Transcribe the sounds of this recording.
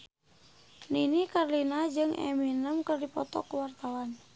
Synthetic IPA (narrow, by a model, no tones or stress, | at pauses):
ninikarlinad͡ʒɨŋʔɛ̰minəmkɨrdipɔt̪ɔ̰kəwart̪awan